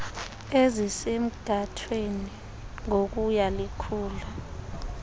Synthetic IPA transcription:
ezisem̩ɡ̥ʱatʰweni | ŋok̬ujalikʰuːla

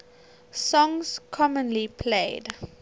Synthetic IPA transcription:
sɔ̃ŋskʰɔmə̃nlipʰleɪd

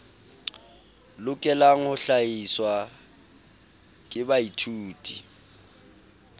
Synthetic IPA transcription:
lʊkʼɛlaŋ̩hʊɬaiswa | kʼɪbaitʰuːtʼi

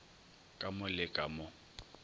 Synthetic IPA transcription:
kʼamʊlɪkʼamʊ

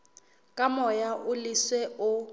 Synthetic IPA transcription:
kʼamɔjaʔʊliswɛʊ

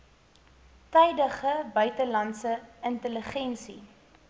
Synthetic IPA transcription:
tɛjdəχəbœɥtəlɐntsəəntələχɛnsi

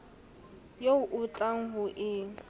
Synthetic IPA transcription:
joʊʔʊt͡ɬʼaŋ̩ɦʊʔɪː

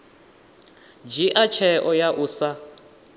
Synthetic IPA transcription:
d͡ʒiʔat͡ʃʰɛʔɔjaʔusa

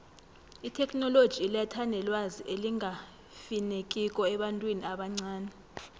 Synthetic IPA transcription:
itʰɛkʰʼnɔlod̥ʒ̥ʱilatʰandʱɛlwaziʔeliŋa | finek̬ʼikʼɔɛɓantʼwiniaɓaŋ͡ǀaːnɛ

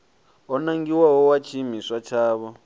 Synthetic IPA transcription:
ɔnaŋɡiwaɦɔwat͡ʃʰimiswat͡ʃʰaːβɔ

